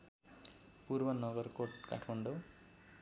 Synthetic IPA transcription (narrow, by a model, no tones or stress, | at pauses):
purbʌnʌɡʌrkoʈka̰ʈʰmʌɳɖo